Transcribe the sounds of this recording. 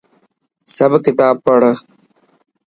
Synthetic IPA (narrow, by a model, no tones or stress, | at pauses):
sɐbkɪt̪aːb̚pəɽ